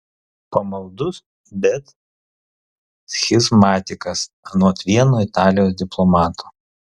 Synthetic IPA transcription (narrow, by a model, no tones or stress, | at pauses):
pɐmɐlˠd̪ʊs | bʲɛt̪ | sxʲɪzmɑːt̪ʲɪkɐs | ɐnuɔt̪ʲʋʲiɛnoːɪt̪ɑːlʲɪjoːs̬d̪ʲɪplˠɔmɑːt̪ʰo̥ː